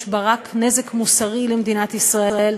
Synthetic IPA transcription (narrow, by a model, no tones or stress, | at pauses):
ʃbaʁakne̞zekmusaʁilemd̪inat̪isʁaeel